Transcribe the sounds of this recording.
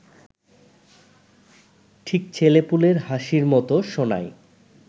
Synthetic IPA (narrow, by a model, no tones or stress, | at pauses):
ʈʰik̚t͡ɕʰelepuleɾhaʃiɾmɔt̪oʃona̰j